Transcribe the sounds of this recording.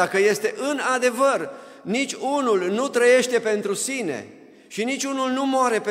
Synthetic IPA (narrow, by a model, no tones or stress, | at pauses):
akəje̞st̪e̞ʔɨnad̪e̞vər | nit͡ʃʲunulnut̪ɾəje̞ʃt̪e̞pe̞nt̪ɾusine̞̰ | ʃinit͡ʃʲunulnumoaɾe̞p